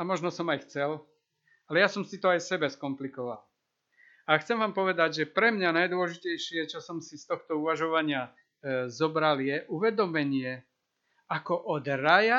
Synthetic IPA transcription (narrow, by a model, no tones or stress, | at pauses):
amɔʒnɔsɔmajxt͡sɛl | alɛjasɔmsit̪ɔajsɛbɛskɔmplikɔʋa̰l | axt͡sɛmʋaːmpɔʋɛd̪aɟʒɛpɾɛmɲanajd̪ʊɔlɛʒicɛjʃɪɛt͡ʃɔsɔmsist̪ɔxt̪ɔuʋaʒɔʋaɲɪa | zɔbɾaljɛʔuʋɛd̪ɔmɛɲɪɛ | akɔʔɔd̪ɾaja